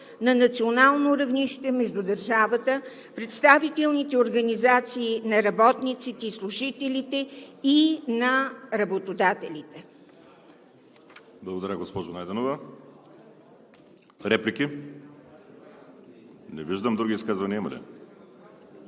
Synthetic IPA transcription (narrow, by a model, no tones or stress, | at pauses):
nɐnɐt̪sionalˠnoɾɐvniʃt̪ɛmɛʒd̪ud̪ɐɾʒavət̪ə | pɾɛt̪st̪avit̪ɛlˠnit̪ɛoɾɡɐnizat̪siːnɐɾɐbɔt̪nit̪sit̪ɛislˠuʒit̪ɛlit̪ɛinɐɾɐbot̪od̪at̪ɛlʲit̪ɛ | blˠɐɡod̪ɐɾʲaɡospɔʒonajd̪ɛnovə | ɾɛplʲiki | nɛviʒd̪əmd̪ɾuɡʲiːskazvɐnʲiimɐlɛ̰